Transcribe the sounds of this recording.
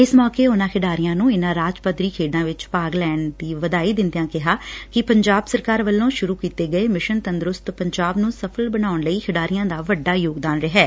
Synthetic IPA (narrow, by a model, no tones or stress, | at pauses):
ɪsmɔːkeːʊnãːkʰɪɖaːɾɪjãːnũːɪnãːɾaːd͡ʒpət̪ɾiːkʰeːɖãːʋɪt͡ʃpaːɡlɛːɳd̪iːʋəd̪aːiːd̪ɪnd̪ɪjãːkɪɦaːkɪpəɲd͡ʒaːbsəɾkaːɾʋəlːõːʃʊɾuːkiːt̪eːɡəeːmɪʃənt̪ənd̪ɾʊst̪pəɲd͡ʒaːbnũːsəpʰəlbənaːʊɳləiːkʰɪɖaːɾɪjãːd̪aːʋəɖːaːjoːɡd̪aːnɾəɦɛː